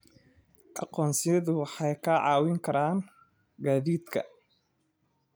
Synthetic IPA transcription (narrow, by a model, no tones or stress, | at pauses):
ʔɑ̰qɔːnsɪjɐðʊwɑħɑjkʰaʕɑːwɪŋkʰɐɾaːn | ɡaːðiːd̪kʰɐ̰